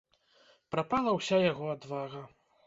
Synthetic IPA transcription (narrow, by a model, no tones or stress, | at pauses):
pɾapalˠɐwsʲajaɣɔad̪vaɣɐ